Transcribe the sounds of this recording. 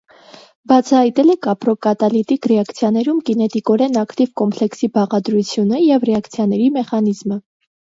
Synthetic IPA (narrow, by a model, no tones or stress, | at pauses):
bɑt͡sʰɑhɑjt̪ɛlɛkɑpɾɔkɑt̪ɑlit̪ikrɛɑkt͡sʰjɑnɛɾumkinɛt̪ikɔɾɛnɑkt̪ivkɔmpʰlɛksibɑʁɑd̪ɾut͡sʰjunəjɛvrɛɑkt͡sʰjɑn̪ɛɾimɛχɑnizmə